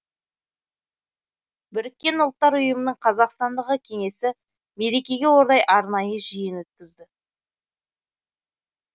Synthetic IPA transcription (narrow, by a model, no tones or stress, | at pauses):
bʏɾɪkʲːe̞nʊlˠt̪ːɑɾʊjəmənəɴqʰɑzɑqst̪ɑnd̪əʁəkʲʰe̞ŋe̞sɪ | me̞ɾe̞kʲe̞ɡʲe̞wo̞ɾd̪ɑjʔɑɾnɑjəʒijɪnwɵt̪̚kʲɪzd̪ɪ